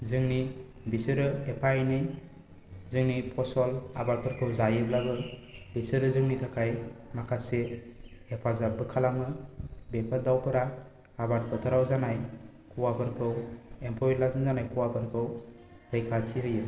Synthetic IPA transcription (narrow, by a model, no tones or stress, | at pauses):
zɯŋni | bisɯɾɯepʰajnɯj | zɯŋnipʰɔsɔla̰bat̚pʰɯɾkʰɯwzajɯblabɯbisɯɾɯzɯŋnitʰakʰajmakʰaseː | pʰazabɯkʰalamɯbepʰadawpʰɯɾaː | bat̚pʰɯtʰɯɾawzanaj | kʰuwapʰɯɾkʰɯwempʰɔjlazɯŋzanajkʰuwapʰɯɾkʰɯw | ɾejkʰatʰiɦɯjɯ